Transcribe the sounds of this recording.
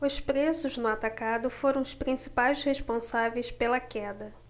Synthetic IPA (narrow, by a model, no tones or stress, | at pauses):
ʊspɾesʊznʊat̪akad̪ʊfoɾɐ̃w̃ʊʃpɾĩsi̥pajsheʃpõsavejspelɐkɛd̪ɐ